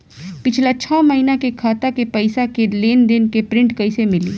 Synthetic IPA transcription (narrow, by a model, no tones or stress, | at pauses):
pɪt͡ʃʰlat͡ʃʰɔːməɦinakekʰaːt̪akepɐɪsakeleːnd̪ɪnkepɾɪ̃ɳʈkɐisemɪliː